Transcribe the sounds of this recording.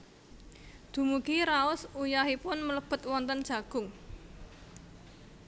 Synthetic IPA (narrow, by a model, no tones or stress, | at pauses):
d̪̥ṳmuɡ̥iɾaʊsujaɦipʊnmələb̥ə̤t̪̚wɔnt̪ənd̥ʒ̥ä̤ɡ̥ʊ̤ŋ